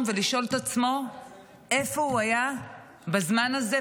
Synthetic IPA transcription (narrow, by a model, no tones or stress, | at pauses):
veliʃʔo̞lt̪at͡smo̞ | e̞fo̞uaja | bazmanaze